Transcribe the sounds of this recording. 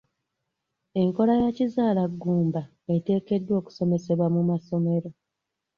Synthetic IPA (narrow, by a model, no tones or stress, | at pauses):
e̞ŋko̞lajacizaːlaɡːuːmba | e̞te̞ːke̞dːwo̞ːku̥so̞me̞se̞βwamumaso̞me̞ɾo